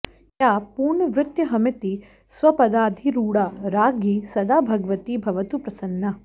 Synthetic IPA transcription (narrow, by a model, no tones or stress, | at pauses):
jaːpuːɾɳɐʋɾɪt̪jɐɦɐmit̪i | sʋɐpɐd̪aːd̪ʱiɾuːɽaɾaːɡisɐd̪aːbʱɐɡɐʋɐt̪ibʱɐʋɐt̪upɾɐsɐnːɐ